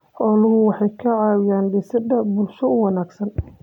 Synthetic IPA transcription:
ħɔːlʊɦʊwɑħɑjkʰɐʕɑːwɪjaːnbɛsɪd̪ɐbʊlʃɔʊwɑnaːɡsɐn

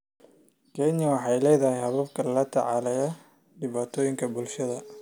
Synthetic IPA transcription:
kʰɛnjɐwɑħɑjlɛːjðɐhɛjhɐβɐbkʰɐlɐlɐt̪ʰɐ̰ʕɑːlɛjɐ | ɖɪβaːt̪ʰɔːjɪŋkʰɐbʊlʃɐðɐ

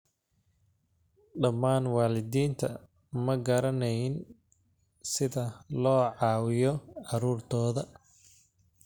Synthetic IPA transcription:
ɖɐmːaːnwɑːlɪðiːnt̪ʰɐ̰ | mɐɡɐɾɐnɛjɪn | sɪðɐlɔːʕɑːwɪjɔʕɑɾuːrt̪ʰɔːðɐ

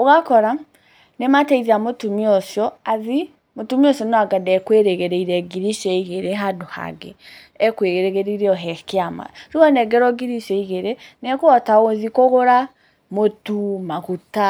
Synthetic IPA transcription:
oɣakɔɾa | nematɛiðiamotumiɔʃjɔaði | motumiɔʃɔnɔaɡadɛkweɾeɣɛɾɛiɾɛɡiɾiʃɛiɣeɾeɦadoha̰ɡɛ | ɛkweɣeɾeɣeɾiɾeɔɦɛkeama̰ɾuɔnɛɡɛɾɔɡiɾiʃɛiɣeɾenɛkuɔtaɣoðikoɣoɾa | motumaɣuta

